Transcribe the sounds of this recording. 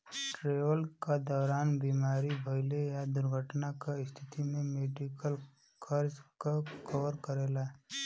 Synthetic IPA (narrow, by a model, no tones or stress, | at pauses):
ʈɾeːʋəlkad̪ɔːɾaːnbiːmaːɾibʱəɪlejad̪ʊɾɡʱəʈnakaɪst̪ʰɪt̪imẽmeːɖikəl | kʰəɾd͡ʒkakɔʋəɾkəɾelae